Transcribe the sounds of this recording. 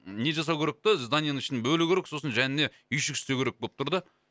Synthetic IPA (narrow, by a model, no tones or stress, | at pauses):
ne̞ʒɑs̬ɑwkʲʰeɾe̞k̚t̪ɪzd̪ɑnʲjanəŋɪʃɪnebɵlɪkʲʰeɾekso̞sənʒænɪne̞ | ʏjʃɪkʲʰɪ̥st̪ekʲʰeek̚bolˠəp̚t̪ʰʊɾd̪ə